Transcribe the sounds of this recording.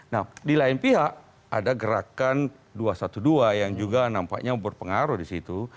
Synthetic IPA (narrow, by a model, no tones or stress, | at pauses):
nahdilaɪnpiɦaʔ | a̰daɡəɾakan | duasat̪uduajaŋd͡ʒuɡanampa̰ʔɲabərpəŋaɾudisit̪u